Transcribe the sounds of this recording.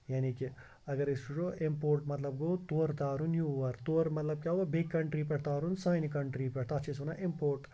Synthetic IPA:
jaːniki | ɐɡɐɾisud͡ʒoːʔimpoːɾʈmɐt̪lɐb̚ɡoːt̪oːɾd̪aːɾunjuːʋɐɾt̪oːɾmɐt̪lɐb̚kjaːɦoʋabekːɐɳʈɾiːpɛɽt̪aːɾunsaːjnikɐɳʈɾiːpɛɽt̪aːt͡ʃʰisunaʔimpoːɾʈ

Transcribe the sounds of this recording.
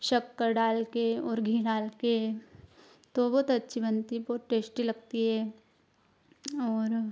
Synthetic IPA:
ʃɐkːɐɾɖaːlkeɔːɾɡʱiːɖaːlke | t̪obɔːt̪ɐtːʃʰibə̃nt̪iboːʈeːsʈilɐɡ̚t̪iɦɛː | ɔːɾ

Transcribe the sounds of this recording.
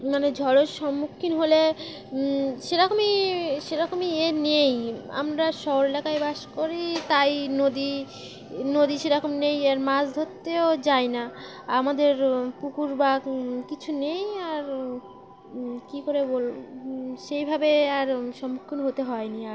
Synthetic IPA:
maned͡ʑʱɔleʃɔmːukʰːinɦole | ʃeɾɔkomiʃeɾɔkomieneja̰mɾaʃɔɦoɾelakajbaʃkoɾit̪ajnod̪i | nod̪iʃeɾɔkomnejeɾmasd̪ʱot̪ːeod͡ʑajna | amad̪eɾpukuɾbakit͡ɕʰunejaɾ | kikoɾeboloʃejbʱabeaɾʃɔmːukʰːinɦot̪eɦɔeniaɾ

